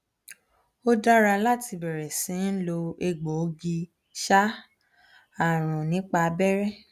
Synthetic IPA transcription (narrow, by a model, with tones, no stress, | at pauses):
o˦da˦ɾa˧la˦˨ti˧bɛ˨ɾɛ˨sĩ˨˦n̩˦lo˧e˧ɡ͡bo˨˧ɡi˧ | ʃa˦ | a˦˨ɾ̃ũ˨nĩ˨˦k͡pa˧bɛ˦ɾɛ˦˨